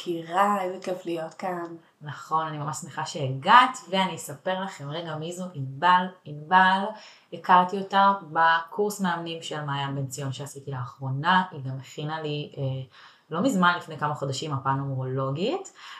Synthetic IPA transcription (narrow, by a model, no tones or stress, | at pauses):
kʰiʁavekeflijotkan | naχo̞nanimamaʃsmeχaʃeeɡatveanijsape̞ʁlaχemʁeɡamizoʔimbalimbal | ekaʁtio̞tabakʰuʁsmeamnimʃelmaːjambent͡sijo̞nʃeasitilaːχʁo̞naʔiɡameχinalie | lo̞mizmanlifnejkamaχo̞daʃimapanomoʁolo̞ɡit